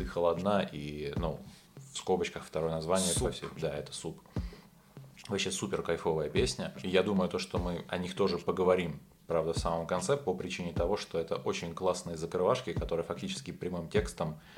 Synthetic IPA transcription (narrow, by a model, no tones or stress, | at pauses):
ɨxəlˠɐd̪naʔinu | fskobət͡ɕkəxft̪ɐɾo̞jənɐzvanʲɪjət̪ufsʲed̪aɛt̪ə̥sup | vɐpɕesupʲɪrkɐjfo̞vəjəpʲesʲnʲəijad̪uməjʊt̪o̞ʂt̪omɨɐnʲixt̪o̞ʐɨpəɡəvɐɾʲim | pɾavd̪əfsaməmkɐnt̪sɛpəpɾʲɪt͡ɕinʲɪt̪ɐvo̞ʂt̪o̞ɛt̪əʔo̞t͡ɕɪnʲklˠasnɨjəzəkɾɨvaʂkʲɪkɐt̪o̞ɾɨjəfɐk̚tʲit͡ɕɪ̥skʲɪpɾʲɪmɨmtʲe̞kst̪əm